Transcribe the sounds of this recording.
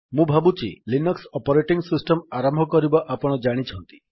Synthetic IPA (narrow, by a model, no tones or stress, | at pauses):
mũbʱabut͡ʃʰḭlinɔksɔpɔɾeʈiŋsisʈɔmaɾambʱɔkɔɾibɔʔapɔɽ̃ɔd͡ʒaɽ̃it͡ʃʰɔnt̪i̥